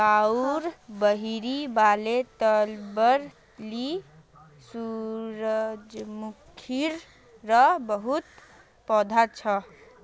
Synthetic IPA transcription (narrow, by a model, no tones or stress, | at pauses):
kauɾbəɦiɾibalet̪əlbəɾ | li | suɾəd͡ʒmukʰiɾ | ɾəbəɦut̪ | pɔd̪ʱat͡ʃʰə